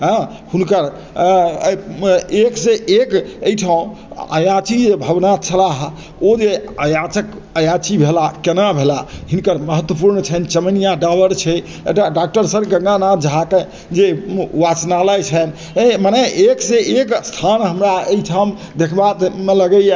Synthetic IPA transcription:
ɦə̃ | hunkəɾ | ekseʔekəjʈʰaũ | ə̰jat͡ʃid͡ʒebʱəbnat͡ʃʰəlaɦ | od͡ʒeəjat͡ʃək | əjat͡ʃibʱelakenabʱelaɦinkəɾməɦət̪wəpuɾnt͡ʃʰɛnt͡ʃəmənijaɖabəɾt͡ʃʰɛ | ḛʈaɖak̚ʈəɾsəɾɡə̃ŋɡanad͡ʒɦake | d͡ʒewat͡ʃnaləjt͡ʃʰɛn | manɛʔekseekst̪ʰanɦəmɾaeiʈʰaũ | d̪ekʰbat̪meləɡəe

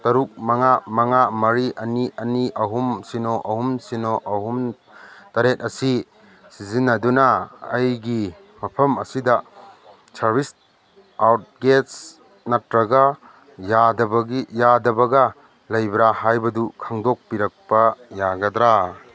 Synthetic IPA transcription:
tɐɾuk̚mɐŋamɐŋamɐɾiʔɐniɐniʔɐɦumsinɔʔɐhumsinoʔɐhum | tɐɾet̚ɐsi | sizinːɐdunɐ̰ːjɡi | mɐpʰɐmɐsidɐ | sɐɾbis | awt̚ɡets | nɐtɾɐɡɐ | jadɐbɐɡijadɐbɐɡɐ | lɐjbɾahajbɐdukʰaŋdɔk̚piɾɐk̚pɐjaɡɐd̪ɾa

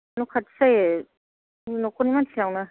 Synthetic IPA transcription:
nukʰatsaje | nɔkʰonimansʰiawna

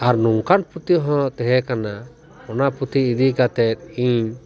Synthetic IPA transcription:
aɾnuŋkanput̪jɦɔ̃t̪ɛɦɛkana | pɔnaput̪iːd̪iɡat̪ɛt̪̚iɲ

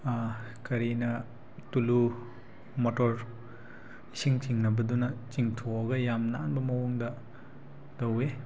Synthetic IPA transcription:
kɐɾinɐ | tulu | motoɾ | isiŋt͡ʃiŋnɐbɐdunɐt͡ʃiŋtʰoɐɡɐjamnaːnbɐmɐwoŋdɐ | dɐwe

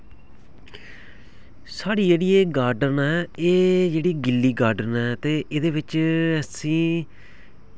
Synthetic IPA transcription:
saːɽiːd͡ʒeːɽiːeːɡaːɾɖənɛːeːd͡ʒeːɽiːɡɪlːiːɡaːɾɖənɛːt̪eːʔed̪eːʋɪt͡ʃəsĩː

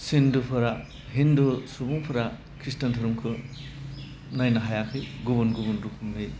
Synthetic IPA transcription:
sindupʰɯɾa | ɦindusubuŋpʰɯɾa | kʰɾistɐntʰɯɾumkʰɯ | najnaɦajakʰɯɡubunɡubunɾukʰumːɯj

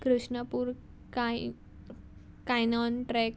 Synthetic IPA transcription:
kɾuʂɳəpuɾ | ka | kajnɔnʈɾɛk

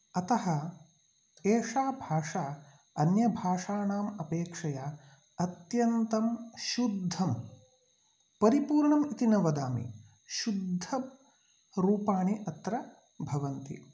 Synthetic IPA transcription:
ɐt̪ɐɦɐ | eːʂaːbʱaːʂaː | ɐnjɐbʱaːʂaːɳaːmɐpeːkʂɐjaː | ɐt̪jɐnt̪ɐmʃud̪ʱːɐm | pɐɾipuːɾɳɐmit̪inɐʋɐd̪aːmḭ | ʃud̪ʱːɐ | ɾuːpaːɳiʔɐt̪ɾɐ | bʱɐʋɐnt̪ḭ

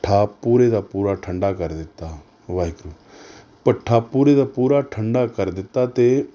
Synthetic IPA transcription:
ʈʰːaːpuːɾeːd̪aːpuːɾaːʈʰəɳɖaːkəɾd̪ɪt̪ːaː | ʋaːɦɪkɾuː | pəʈʰːaːpuːɾeːd̪aːpuːɾaːʈʰəɳɖaːkəɾd̪ɪt̪ːaːt̪eː

